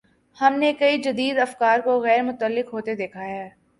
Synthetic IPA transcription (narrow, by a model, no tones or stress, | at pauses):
hɐmnekɐid͡ʒɐd̪iːd̪ɐfkaːɾkoɣɛːɾmʊt̪əlːɪkɦoːt̪ed̪eːkʰaɦɛː